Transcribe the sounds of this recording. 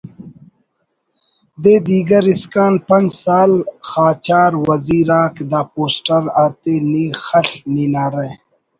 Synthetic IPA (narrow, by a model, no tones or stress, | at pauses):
d̪eːd̪iːɡɐɾiskaːnpɐnd͡ʑsaːlxaːt͡ɕaːɾwɐziːɾaːkd̪aːpoːsʈɐɾaːt̪eniːxɐɬninaːɾe